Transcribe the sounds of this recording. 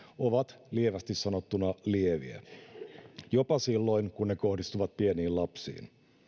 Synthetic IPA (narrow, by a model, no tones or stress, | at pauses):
oʋɑt̪lieʋæst̪issːɑnot̪ːunɑlieʋiæ̰ | jopɑsilːo̞inkunːeko̞hdist̪uʋɑt̪̚pieniːllɑpsḭːn